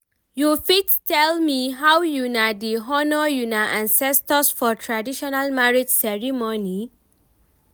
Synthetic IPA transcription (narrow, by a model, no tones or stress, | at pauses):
jufittʰɛlmiɦawjunadiɦɔnɔjunaʔãnsɛstɔsfɔtʰɹadiʃɔnalmaɹidsɛɹimɔni